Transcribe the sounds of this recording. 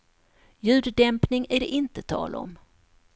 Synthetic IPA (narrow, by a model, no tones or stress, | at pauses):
jʉ̟ːd̪d̪ɛmpnɪŋæɖɛʔɪnt̪ət̪ʰɑ̰ːlɔ̰m